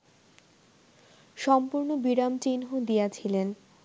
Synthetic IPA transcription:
ʃɔmpuɾnobiɾamt͡ɕinɦod̪ijat͡ɕʰilen

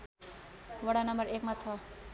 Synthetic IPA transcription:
wʌɽanʌmʌɾekmat͡sʰʌ

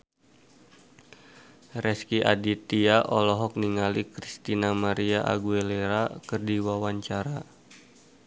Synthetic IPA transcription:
rɛskiʔa̰dit̪iaʔɔlɔɦɔk̚niŋalikɾist̪inamaɾiaʔa̰ɡueleɾakərdiwawaɲt͡ʃaɾa

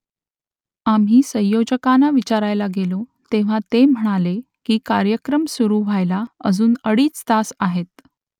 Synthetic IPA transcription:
amɦiːsə̃jjod͡ʑəkanaʋit͡ɕaɾajlaɡelot̪eʋ̤at̪em̤əɽ̃ale | kiːkaɾjəkɾəmsuɾuʋ̤ʱajlaəd͡zuːnəɽiːt͡st̪asaɦet̪̚

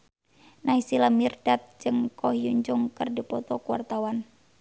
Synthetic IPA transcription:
naisilamirdat̪̚d͡ʒɨŋkɔhiuɲd͡ʒʊŋkɨrdipɔt̪ɔkuwa̰rt̪awan

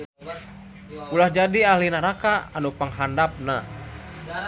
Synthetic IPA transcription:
ulahd͡ʒadiahlinaɾakaanupəŋɦandap̚na

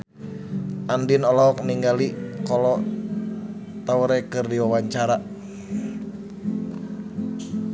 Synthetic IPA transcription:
ʔandinɔlɔɦɔk̚niŋɡalikɔlɔ | t̪auɾɛkɨrdiwawaɲt͡ʃaɾa

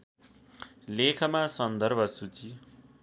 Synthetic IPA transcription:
lekʰʌmasʌnd̪ʌrbʱʌsut͡si

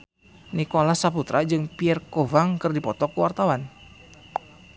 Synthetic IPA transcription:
nikolasaput̪ɾad͡ʒɨŋpiɛrkovaŋkɨrdipɔt̪ɔkuwart̪awan

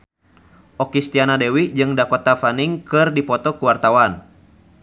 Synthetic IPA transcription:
ʔɔkist̪ianadɛwid͡ʒɨŋdakɔt̪afaniŋkɨrdipɔt̪ɔkuwart̪awan

